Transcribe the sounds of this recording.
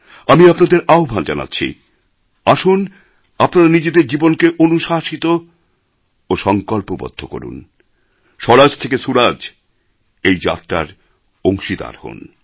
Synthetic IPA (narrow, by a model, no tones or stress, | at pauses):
amiapnad̪eɾaobʱand͡ʑana̰tːɕʰḭ | aʃun | apnaɾanid͡ʑed̪eɾd͡ʑibonkeʔonuʃaʃit̪o | oʃɔŋkɔlpobɔ̰d̪ʱːoko̰ɾṵn | ʃɔɾad͡ʑt̪ʰekesuɾad͡ʑ | ejd͡ʑa̰t̪ːɾa̰ɾ | oŋʃid̪a̰ɾho̰n